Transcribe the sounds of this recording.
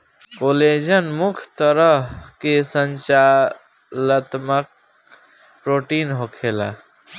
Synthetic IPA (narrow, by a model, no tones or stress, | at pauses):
koled͡ʒənmukʰt̪əɾəɦkesənt͡ʃa | lət̪mək̚ | pɾoʈinɦokʰela̰